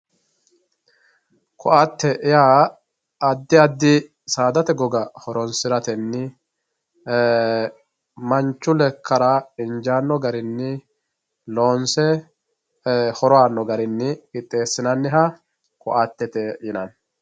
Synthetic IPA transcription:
kɔʔat̪ːɛʔɪjaː | ɐd̪ːɪɐd̪ːɪ | saːd̪ɐt̪ɛɡɔɡɐhɔɾɔnsɪɾɐt̪ɛnːɪ | mɐnt͡ʃːʊlɛkːɐɾɐɪnd͡ʒaːnːɔɡɐɾɪnːɪ | loːnsɛ | hɔɾɔaːnːɔɡɐɾɪnːɪkɪt̪ʼːe̞ːsːɪnɐnːɪɦɐ | kɔʔat̪ːɛt̪ɛjɪnɐn

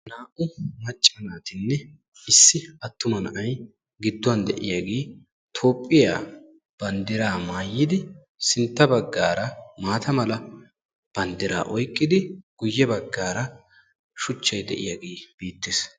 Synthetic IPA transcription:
naːʔʊmɐt͡ʃʼːɐnaːt̪ɪnːɛ | ɪsːɪɐt̪ːʊmɐnɐʔɐj | ɡɪd̪ːʊwɐnd̪ɛ̰ʔɪjaɡeː | t̪ʰo̞ːpʼːɪja̰ː | b̥ɐnd̪ɪɾaːmaːjːɪd̪ɪ | sɪnt̪ːɐbɐɡːaːɾɐmaːt̪ʰɐmɐlɐ | b̥ɐnd̪ɪɾa̰ːʔɔjkʼːɪd̪ɪɡ̥ʊjːɛbɐɡːaːɾɐ | ʃʊt͡ʃːɐjd̪ɛ̰ʔɪ̰jaːɡeːb̥iːt̪ːɪs

